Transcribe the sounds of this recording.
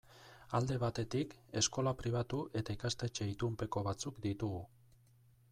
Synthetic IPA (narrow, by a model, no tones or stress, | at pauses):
ald̪e̞β̞at̪e̞t̪ike̞sko̞lapɾiβ̞at̪uʔe̞t̪aikast̪e̞t͡ʃe̞it̪umpe̞ko̞β̞at͡sukd̪it̪uɣu